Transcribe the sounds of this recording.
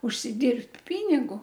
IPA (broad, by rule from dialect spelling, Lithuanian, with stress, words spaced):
ʊʃʲsʲɪˈdʲɪrpt ˈpʲɪnʲɪɡʊ